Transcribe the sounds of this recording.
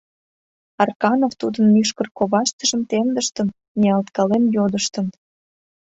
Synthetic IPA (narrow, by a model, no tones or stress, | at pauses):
ɑrkɑnoft̪ud̪ənːyʃ̬kərkoβɑʃt̪əʒəmt̪emd̪əʃt̪ən | niɑlt̪kɑlemjod̪əʃt̪ən